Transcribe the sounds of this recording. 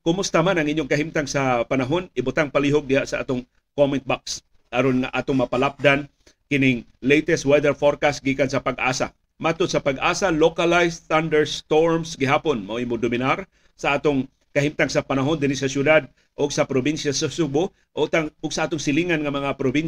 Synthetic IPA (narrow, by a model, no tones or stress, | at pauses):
kʊmʊst̪amanɐŋʔɪɲjoŋkɐɦimt̪aŋsɐpɐnaɦonɪbʊt̪aŋpaliɦʊɡ̚d̪ɪhaʔsɐʔa̰ːt̪ʊŋ | komɪnt̪̚baks | ʔɐɾonŋaʔaːt̪ʊŋmɐpalap̚d̪an | kɪnɪŋ | lejt̪ɛst̪wɛd̪ɛɹfoɾkasɡiːkansɐpaɡʔaːsa̰ | maːt̪ʊd̪sɐpaɡʔaːsalokalajsθand̪ɛɹst̪oɹmsɡɪɦaːponmoʔʔimʊd̪ʊmɪnaɾ | sɐʔaːt̪oŋ | kɐɦimt̪aŋsɐpɐnaɦond̪ɪnɪsɐsjʊd̪ad̪̚ | ʔʊɡ̚sɐpɾobinʃasɐsubʊ | ʔʊɡ̚t̪aʊɡsɐʔaːt̪ʊŋsɪliŋanŋɐmɐŋapɾobin